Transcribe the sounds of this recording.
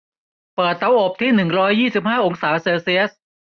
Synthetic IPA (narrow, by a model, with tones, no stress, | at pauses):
pɤː˨˩t̪ːa˨˦˥wʔo˨˩p̚t̪ʰiː˥˩nɯ˨˩ŋɾɔː˦˥jːiː˥˩si˨˩p̚haː˥˩ʔo˧ŋsaː˩˦seː˧si˧˥˦s̚